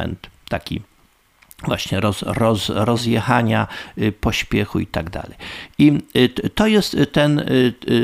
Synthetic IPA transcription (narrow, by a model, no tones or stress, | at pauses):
ɛ̰nt̪t̪ːakʲḭ | vwaɕɲɛɾɔzɾɔzɾɔzjɛxaɲapɔɕpʲjɛxuit̪aɡd̪a̰lɛjit̪ɔjɛst̪ːɛn